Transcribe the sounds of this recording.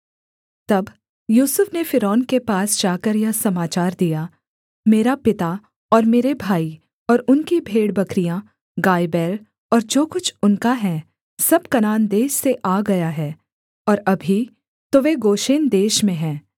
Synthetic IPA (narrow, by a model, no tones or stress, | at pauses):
t̪ɐb | juːsʊfnefɪɾɔːnkepaːsd͡ʒaːkəɾjɐsɐmaːt͡ʃaːɾd̪ija | meːɾapɪt̪a | ɔːɾmeːɾebʱaːi | ɔːɾʊnkibʱeːɽbɐkɾijã | ɡaːjbɛːɾ | ɔːɾd͡ʒoːkʊt͡ʃʰʊnkaɦɛ̃ː | sɐbkɐnaːnd̪eːʃseʔaːɡɐjaɦɛː | ɔːɾɐbʱi | t̪oʋeɡoːʃeːnd̪eːʃmẽɦɛ̃ː